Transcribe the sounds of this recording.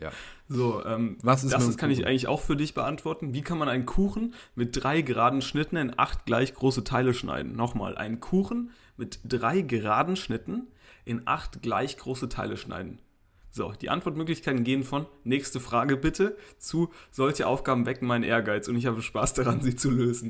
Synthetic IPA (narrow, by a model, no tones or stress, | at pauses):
zoːʔɛːmsd̥akʰanɪçʔa̰ɪɡŋ̩tlɪçʔa̰ʊxfyːɐdɪçb̥əʔantv̥ɔɐtn̩viːkʰanmanaɪnkʰuːxn̩mɪt̚d̥ʁaɪɡəʁaːdn̩ʃnɪtn̩ɪnʔa̰χtɡ̥laɪçɡ̥ʁoːsətʰaɪləʃna̰ɪdn̩nɔχma̰ːlʔa̰ɪnkʰuːxn̩ | mɪtd̥ʁaɪɡəʁaːdn̩ʃnɪtn̩ | ʔɪnʔa̰χtɡ̥la̰ɪçɡ̥ʁoːsətʰa̰ɪləʃna̰ɪdn̩ | z̥o̰ːd̥iːʔa̰ntv̥ɔɐtmøːklɪçkʰaɪtn̩ɡeːənfɔnːɛːçstəfʁ̥aːɡəbɪtʰət͡suz̥ɔlçəʔa̰ʊfɡ̥aːbm̩vɛkŋ̩maɪnənʔḛːɐɡaɪt͡sʊntɪç̬haːbəʃpaːsd̥aʁanziːt͡suløːzn̩